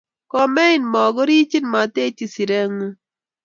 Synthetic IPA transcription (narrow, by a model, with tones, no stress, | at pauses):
kɔ˦mɛ˦ɪ˦nmɔ˨ɡɔ˦ɾi˦t͡ʃi˦nma˨te˦t͡ʃi˨si˨ɾɛ˦ŋu˦